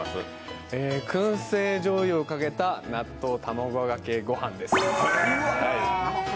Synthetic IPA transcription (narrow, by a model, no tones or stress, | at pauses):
sɨ̰ | eːkʰɯ̟̃ɰ̃seːʑo̞ːiokaɡe̞t̪anat̪ːo̞ːt̪ʰamoɡoɡakeːɡo̞hãnd̪e̞sɨ̥ | hai